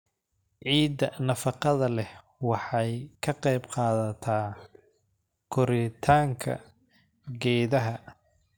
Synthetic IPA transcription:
ʕiːd̪ɐnɐfɑqɑðɐlɛh | wɑħɑjkʰɐqɑjbqɑːðɐt̪ʰaː | kʰɔɾɪt̪ʰaːŋkʰɐ̰ | ɡɛːðɐɦɐ

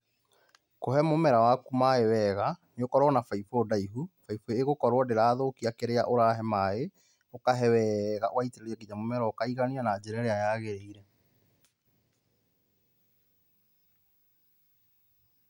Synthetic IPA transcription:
kohɛmomɛɾawakumaɛwɛɣaneokɔɾwɔnafaifodaiɦufaifoeɣokɔɾwɔdeɾaːðokiakeɾea̰ʔoɾaɦɛmae | okaɦɛwɛɣaʔowaiteeɾeɛkiɲamomɛɾaokaiɣanianad͡ʑɛɾaɾeajaɣeɾeiɾɛ

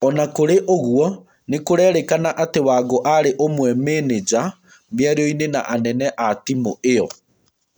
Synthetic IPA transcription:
ɔnakoɾeʔoɣwɔ | nekoɾɛːɾekanaʔatewaɡoʔaɾeʔomwɛmeːned͡ʑa | mjaɾeɔinena̰ʔanɛnɛʔatimoeɔ

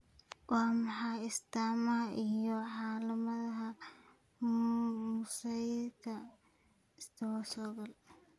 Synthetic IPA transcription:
wɑːmɑħɑːɪst̪aːmɐʔijɔʕɑːlɐmɐðɐɦɐ | mʊsɐjkʰɐ | ɪst̪ʰɐwsɔɣɐl

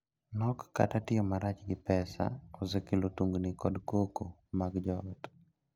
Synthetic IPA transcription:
nɔkːa̰tatɪjɔmaɾat͡ʃɡɪpɛsa̰ɔzɪkɪlotuŋɡnikɔdkokomaɡd͡ʒɔt

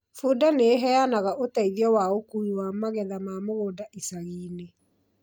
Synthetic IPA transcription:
fuːdaneɦɛanaɣaʔotaiðiɔwaokuiwamaɣɛðamamoɣoːdaʔisaɣiːne

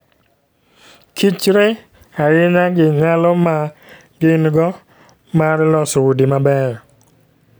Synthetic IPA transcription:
kʰit͡ʃɾe | aɾɪɲaɡɪɲalɔma | ɡɪnɡɔ | maɾlɔsɔwudimabɛ

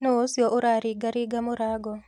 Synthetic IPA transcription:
noosjɔʔoɾaɾɪɡaɾiɡamoɾaɡɔ

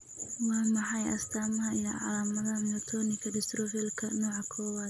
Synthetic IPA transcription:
wɑːmɑħɑjɐ̰st̪ʰaːmɐɦɐijɔʕɑ̰laːmɐðɐɦɐmɔt̪ʰɔːnɪkʰɐɖɪst̪rɔfɛlkʰɐnɔːʕɑkʰɔːwaːd̪

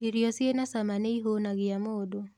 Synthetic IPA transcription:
iɾjɔsjenasamaneiɦonaɣɪamodo

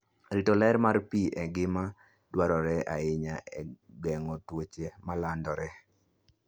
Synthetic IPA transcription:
ɾitolɛɾmarpiʔɛɡɪma | dwaɾɔɾɛʔaɪɲaɛɡɛŋɔtwot͡ʃemalandɔɾɛ

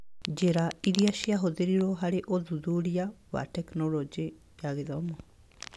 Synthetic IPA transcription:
d͡ʒeɾaiɾiaɕiaɦoðeɾiɾɔɦaɾeʔoðuðuɾiawa̰tɛknɔlɔd͡ʒe | jaɣeðɔmɔ

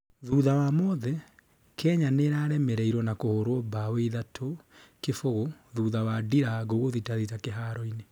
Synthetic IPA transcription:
ðuðawamɔðɛ | kʰɛɲaneɾaɾɛmɛɾɛiɾwɔnakohoɾwɔbaweiðatʰokefoɣoðuːðawadiɾaɣoɣoðitaðitakeɦaɾɔine

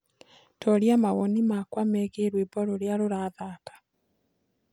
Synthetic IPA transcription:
tʰɔɾjamaɣɔnimakwamɛːɣeɾwebɔɾoɾeaɾoɾaːðaːkḁ

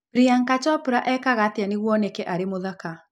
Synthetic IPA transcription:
bɾiaŋkat͡ʃɔpuɾaʔɛkaɣateaneɣwɔnekɛʔaɾemoðaka

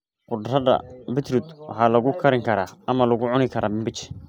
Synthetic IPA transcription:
qʊd̪rɐðɐ̰bɪt̪ʰrud̪wɑ̰ħɑːlɐɣʊkʰɐɾɪŋkʰɐɾaːɐmɐlɐɣʊʕʊnɪkʰɐɾʔaːbɪmbɪt͡ʃ

